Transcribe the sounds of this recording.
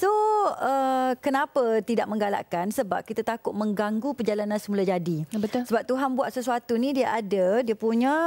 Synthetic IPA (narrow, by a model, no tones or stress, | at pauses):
soəkənãpət̪idaʔ̚mə̃ŋɡala̰ʔkansəba̰p̚kit̪at̪akʊt̪̚mə̃ŋɡaŋɡupərd͡ʒalanãnsəmulad͡ʒadibət̪ʊsəbap̚t̪uɦanbuat̪̚səsuat̪unĩdiaʔadadiapuɲã